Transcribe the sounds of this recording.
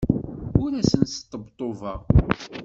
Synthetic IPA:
ʊɾæsənsə̥t̪ˤːəbt̪ˤːovəʁ

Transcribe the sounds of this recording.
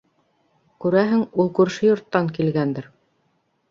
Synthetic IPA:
kʉɾæɦɘŋulˠkʉɾʃɘjŏɾt̪ːɑŋkilɡænd̪ɘɾ

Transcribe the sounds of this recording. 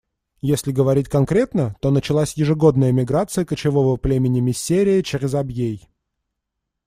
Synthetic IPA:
jesʲlʲɪɡəvɐɾʲitʲkɐnkɾʲe̞t̪nət̪o̞nət͡ɕɪlˠasʲjɪʐɨɡo̞d̪nəjəmʲɪɡɾat̪sɨjəkət͡ɕɪvo̞vəplʲemʲɪnʲɪmʲɪsʲːeɾʲɪɪt͡ɕɪɾʲɪzɐbjej

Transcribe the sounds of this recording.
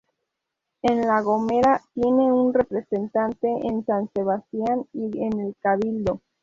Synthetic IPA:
enlaɣo̞me̞ɾat̪je̞ne̞unre̞pɾe̞se̞nt̪ant̪e̞ʔensanse̞βast̪janienelkaβild̪o̞

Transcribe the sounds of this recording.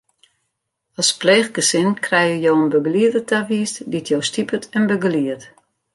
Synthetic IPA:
ɔspleːxɡəsɪnkʰrɛjəjowənbøɡəliədətʰaʋiːsditʰjowstipətʰənbøɡəliət

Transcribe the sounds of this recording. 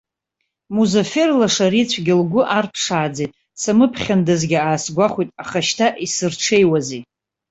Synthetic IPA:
muzaferlaʂaɾit͡sʷʰɡʲɪlɡʷʊʔarpʰʂaːd͡zejtʼ | samɨpʰχʲandazɡʲɪaːsɡʷaχʷitʼaχaʃtʰaʔisɨrʈ͡ʂʰejwazi

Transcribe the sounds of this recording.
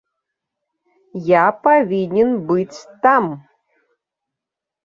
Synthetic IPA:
japavʲinʲɛnbɨt͡sʲt̪am

